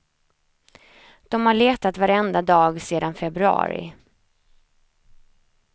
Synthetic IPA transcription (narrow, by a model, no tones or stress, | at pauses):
d̪̥ɔmhaɭeːt̪at̪vaɾɛnd̪ad̪ɑːɡseːd̪anfɛbɾɵɑ̰ːɾɪ̰